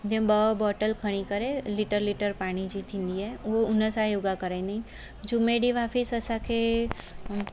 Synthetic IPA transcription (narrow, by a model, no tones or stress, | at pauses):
d͡ʒẽbəbɔːʈəlkʰəɽ̃ikəɾelɪʈəɾlɪʈəɾpaːɽ̃id͡ʒit̪ʰĩnd̪iɦɛʋoʊnəsajʊɡakəɾanaĩ | d͡ʒumːeɖiʋaːpʰisəsakʰe